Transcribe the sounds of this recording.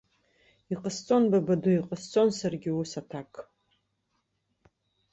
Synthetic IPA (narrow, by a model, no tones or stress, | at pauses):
iqʼəst͡sʼo̞nbabaduiqʼəst͡sʼo̞nsarɡʲɪusatʰakʼ